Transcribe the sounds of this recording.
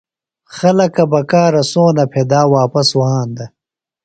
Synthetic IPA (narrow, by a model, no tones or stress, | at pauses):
xɐlɐkɐbɐkaːɾɐsoːnɐpʰeːd̪aːwaːpɐsuɦãːnd̪ɐ